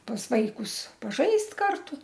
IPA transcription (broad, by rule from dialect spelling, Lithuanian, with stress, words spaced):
pɐs ˈʋɐɪkʊs pɐˈʒɐɪsʲtʲ ˈkɐrtʊ